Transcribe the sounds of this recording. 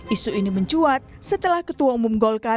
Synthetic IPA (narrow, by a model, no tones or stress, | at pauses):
ʔisuiniməɲt͡ʃuat̪̚sət̪əlahkət̪uaumumɡɔlka